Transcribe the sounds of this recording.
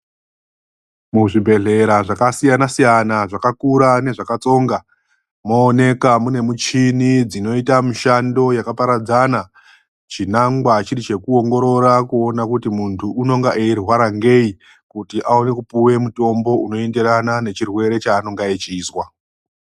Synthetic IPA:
muʐibʱe̞ɮe̞ɾaʐakasijanasijanaʐakakuɾane̞ʐakat͡so̞ːŋɡa | mo̞ːne̞kamune̞mut͡ʃinid͡zino̞itamiʃando̞jakapaɾad͡zana | t͡ʃinaŋɡwat͡ʃiɾit͡ʃe̞kuo̞ŋɡo̞ɾo̞ɾakuo̞nakutimuntʰuʔːno̞ŋɡaʔeirwaɾaŋɡe̞i | kutiʔaone̞kupuwe̞muto̞mbo̞uno̞e̞nde̞ɾanane̞t͡ʃirwe̞ɾe̞t͡ʃaːno̞ŋɡaet͡ʃiːswa

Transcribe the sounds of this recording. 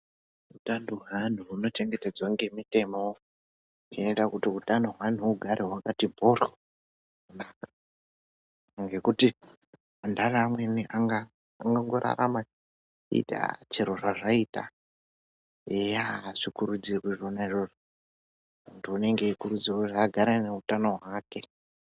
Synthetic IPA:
utandoɦan̤uuno̞t͡ʃe̞ŋɡe̞ted͡zwaŋɡe̞mite̞mo | enetakutiutandoɦwan̤uːɡʱaɾʔeɦwakatimboro | naka | ŋɡe̞kuti | andaramwe̞niʔaŋɡaː | ŋɡaŋɡo̞ɾʔa̰ɾa̰ma | ḭta̰t͡ʃeɾoʐaʐaita̰ | ejaʐ̥ikuɾud͡zirwiʐonaiʐoʐo | untiune̞ŋɡekuɾud͡zirwoʐaɡʱaɾaneutano̞ɦwake̞

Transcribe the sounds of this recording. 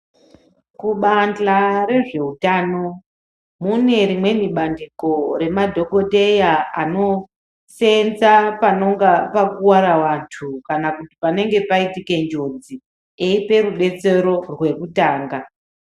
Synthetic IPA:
kuɓand͡ɮaɾe̞ʐe̞utaːno̞ | mune̞ɾimwe̞niɓandiko̞ɾe̞madʱo̞ko̞te̞jaano̞ | se̞nd͡zapano̞ŋɡapakuwaɾawantʰukanakutipane̞ŋɡe̞paitike̞nd͡ʒo̞d͡zi | eipe̞ruɗe̞t͡se̞ɾo̞rwe̞kutaːŋɡa

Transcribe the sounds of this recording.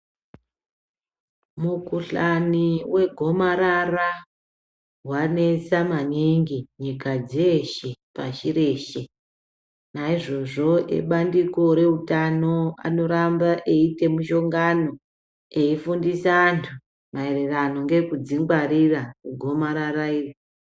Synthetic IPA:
mukuɬaniwe̞ɡʱo̞maɾara | ɦwane̞t͡samaniŋɡiɲikad͡zeʃe̞paʃiɾeːʃe̞ | naiʐo̞ʐo̞ḛɓandiko̞ɾe̞utano̞a̰no̞ɾambaʔe̞ite̞muʃo̞ŋɡano̞ | eifundisaːntʰu | maererano̞ŋɡe̞kud͡ziŋɡwaɾirakuɡʱo̞maɾaɾaiːri

